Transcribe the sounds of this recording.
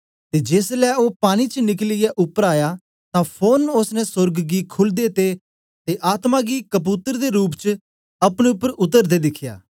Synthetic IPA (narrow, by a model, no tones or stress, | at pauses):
t̪ed͡ʒeːslɛːopaːɽ̃it͡ʃənɪk̬lɪjɛʔʊpːəɾaːjaː | t̪ãpʰoːnʊsnɛsʊɾɡɡikʰʊld̪et̪e | t̪eʔaːt̪maɡikəp̬uːt̪əɾd̪eɾuːp̬t͡ʃə | ɐpɽ̃eʊpːəɾʊt̪əɾd̪ed̪ɪkʰːja̰ː